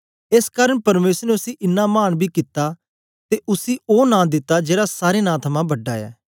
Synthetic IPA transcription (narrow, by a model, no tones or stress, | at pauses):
eskaːɾəɳ̃pɐɾmeːsəɾneʊsiʔɪnːamaːñbʱiːkɪt̪ːaː | t̪eʔʊsiːoːnãːd̪ɪt̪ːad͡ʒeːɽasaːɾeːnãːt̪ʰɐmãːbɐɖaːɛ̰ː